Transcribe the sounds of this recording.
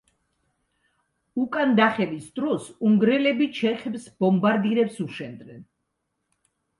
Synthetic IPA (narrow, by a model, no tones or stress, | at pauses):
ukʼand̪aχɛvisd̪ɾɔsuŋɡɾɛlɛbit͡ʃʰɛχɛbsbɔmbaɾd̪iɾɛpsuʃɛnd̪nɛn